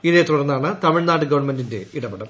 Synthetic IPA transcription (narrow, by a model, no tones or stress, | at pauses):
iðet̪uɽɐnːaːɳɨt̪ɐmiɻnaːʈːɨɡɐʋɐɳmendinde̞iɽɐbɐɽɐm